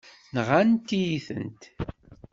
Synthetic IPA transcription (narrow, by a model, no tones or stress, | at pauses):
nʁant̪ːijiθə̰nt̪